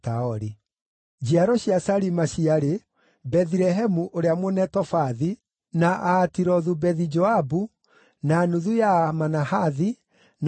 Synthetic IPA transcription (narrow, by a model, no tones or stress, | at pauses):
taɔɾi | d͡ʒiaɾɔɕiasaɾimaɕiaɾe | bɛðiɾɛɦɛmuʔoɾeamonɛtɔfaði | naʔaːtiɾɔðubɛðid͡ʒɔabu | naːnuðujamanahaði | n